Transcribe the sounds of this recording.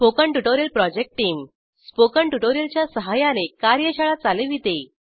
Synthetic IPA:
pokəɳʈuʈoɾjəlpɾɔd͡ʑek̚ʈʈːiːm | spokəɳʈuʈoɾjəlt͡ɕjasəɦajanekaɾjəɕʰaɭat͡saleʋit̪e

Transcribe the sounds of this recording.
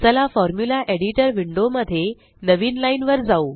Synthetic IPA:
t͡səlafɔɾmjulaʔeɽiʈəɾʋiɳɖoməd̪ʱːje | nəʋiːnlainʋəɾd͡zauː

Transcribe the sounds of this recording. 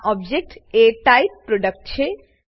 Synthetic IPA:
ʔɔbd͡ʑek̚ʈeʈajp̚pɾoɖak̚ʈt͡ɕʰe

